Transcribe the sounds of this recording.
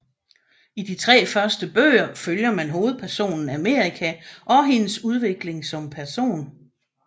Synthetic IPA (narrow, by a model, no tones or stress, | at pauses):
id̥it͡sʰʁɛ̰ːfɶɐsd̥əb̥ø̰ːɐføljɐmænɦo̝ːð̩ˠpʰæɐso̝̰ːnn̩æme̝̰ːʁikʰæʔɒ̽ɦe̝nəsuð̞ˠʋe̝ɡ̥le̝ŋsɒ̽mpʰæɐso̝̰ːn